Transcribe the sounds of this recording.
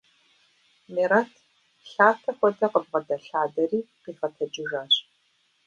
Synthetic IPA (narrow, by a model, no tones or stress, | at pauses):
miɾɐtʰ | ɬaːtʰɐxʷɔtʰɐqəbʁɐdɐɬaːdɐriːqiːfɐtʰɐd͡ʒɪʒaːɕ